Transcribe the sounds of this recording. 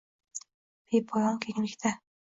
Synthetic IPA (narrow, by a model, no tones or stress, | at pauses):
b̥epʰɒjɒŋkʲʰeŋlɪkʲt̪ʰa